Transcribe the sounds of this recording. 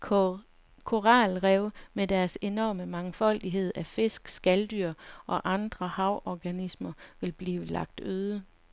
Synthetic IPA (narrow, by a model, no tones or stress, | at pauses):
kʰo̝ʁɑlʁɛʊmed̥æɐse̝nɒ̰ːməmɑ̈ŋfɒ̽l̰d̥iɦe̝ð̞̰ˠæfe̝sɡ̥sɡ̥æld̥yɐ̰ʔɒ̽ʔɑ̈nd̥ʁɐhɑ̈ʊʔɒɡ̥ænismɐʋe̝lb̥liːʊəlɑ̈ɡ̥̚d̥øːð̞ˠə